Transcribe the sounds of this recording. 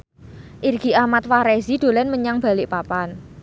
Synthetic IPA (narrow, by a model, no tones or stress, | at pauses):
ʔirɡ̥i̤ʔamat̪faɾezid̪̥o̤lɛnməɲaŋb̥a̤lɪʔpapan